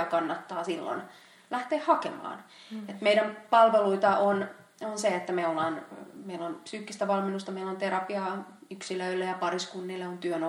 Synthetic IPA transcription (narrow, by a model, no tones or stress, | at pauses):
ɑkɑnːɑt̪ːɑːsilːo̰n | læht̪eːhhɑkḛmɑ̰ːn | et̪meidæmpɑlʋeluit̪ɑon | onseet̪ːæmeolːɑːnmeilːonpsyːkːist̪æʋɑlminːust̪ɑmeilont̪erɑpiɑ | yksiløylːæjɑpɑriskunːilːeont̪yøno